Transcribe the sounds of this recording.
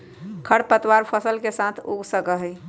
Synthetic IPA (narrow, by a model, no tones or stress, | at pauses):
kʰəɽpət̪waɾpʰəsəlkesãt̪ʰuɡsəkəɦəj